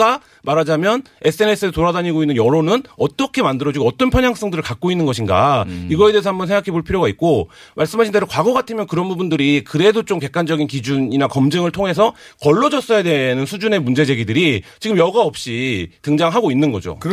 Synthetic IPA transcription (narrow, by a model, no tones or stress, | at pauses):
a | maɾad͡ʑamjʌn | e̞s͈ʰɯe̞ne̞s͈ɯesʰotoɾadaɲiɡoinːɯnjʌɾonɯnʌt͈ʌkʰe̞mandɯɾʌd͡ʑiɡoʌt͈ʌnpʰjʌɲjaŋs͈ʌŋdɯɾɯɭkak̚k͈oinːɯnɡʌɕʰinɡa̰iɡʌede̞ːs̬ʌhambʌnsʰeŋɡakʰe̞boɭpʰiɾjoɡait̚k͈o | maɭs͈ɯmɦaɕʰinde̞ɾokwaɡʌɡatʰɯmjʌnkɯɾʌnbubundɯɾikɯɾe̞dot͡ɕomke̞k͈̚and͡ʑʌɡinkid͡ʑuɲinakʌmd͡ʑɯŋɯɭtʰoŋɦe̞sʰʌkʌɭːʌd͡ʑʌs͈ʌjadwe̞nɯnsʰud͡ʑune̞mund͡ʑe̞d͡ʑe̞ɡidɯɾit͡ɕiɡɯmjʌɡaʌp̚ɕ͈itɯŋd͡ʑaŋɦaɡoinːɯnɡʌd͡ʑo̰